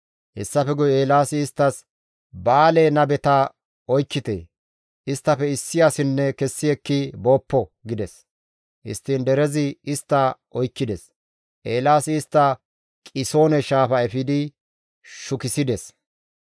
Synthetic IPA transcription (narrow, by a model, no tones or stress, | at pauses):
hɛsːɐfɛɡʊjeːlaːsɪːst̪ːɐs | baːlenɐbɛt̪ɐ | ɔjkːɪt̪ḛː | ɪst̪ːɐfɛɪsːɪjaːsɪnːɛkɛsːɪɛkːɪbo̞ːpːɔɡɪd̪ɛs | ʔɪ̰st̪ːind̪ɛɾɛzɪɪst̪ːɐʔɔjkːɪd̪ɛs | ʔeːlaːsɪːst̪ːɐ | kʼɪso̞ːnɛʃaːfɐɛfɪd̪ɪ | ʃʊkɪsɪd̪ɛs